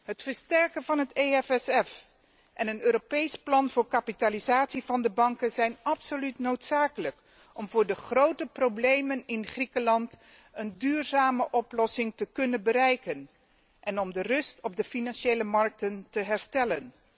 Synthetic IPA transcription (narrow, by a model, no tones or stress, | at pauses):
ɦətfəɹstɛɹkənvɑnɦəteɛfɛsɛf | ʔɛnənøːɾopejsplɑnvʊːɹkapitalizaːtsivɑndəbɑŋkənzɛjnɑpsolytnowtsaːkələk | ʔɔmvʊːɹdəχrowtəprowblejmənɪnχrikəlɑnt | əndyːɹzaːməʔɔplɔsɪŋtəkɵnənbəɾɛjkən | ʔɛnɔmdərɵstɔb̚dəfinɑnʃejləmɑɹk̚təntəɦɛɹstɛlən